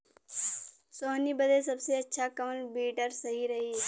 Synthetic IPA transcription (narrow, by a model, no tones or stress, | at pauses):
soːnibəd̪es̬ɐbseɐtːʃʰakɐməlbiːʈəɾsɐɦiɾɐɦiː